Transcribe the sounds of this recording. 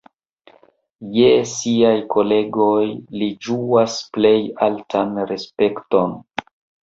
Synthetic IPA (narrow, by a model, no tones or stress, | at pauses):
jesiajkʰo̞le̞ɡo̞jlid͡ʒuasple̞jaltʰanɾe̞spe̞kto̞n